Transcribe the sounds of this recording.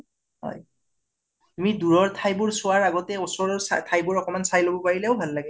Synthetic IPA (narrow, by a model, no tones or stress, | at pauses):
ɦɔ̰j | amiduɹɔɹtʰajbʊɹsʊwaɹaɡɔtɛosɔɹsa̰tʰajbuɹɔkɔmansajlobɔpaɹilɛʊbʱalːaɡɛ